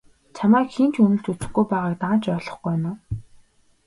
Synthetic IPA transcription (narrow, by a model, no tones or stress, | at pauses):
t͡ɕʰamæːkxint͡ɕʰunɘ̆ɬt͡ɕut͡sɘ̆xɡujpæːʁaːk̚t̪aːnt͡ɕœːɮɞ̆χɡænaː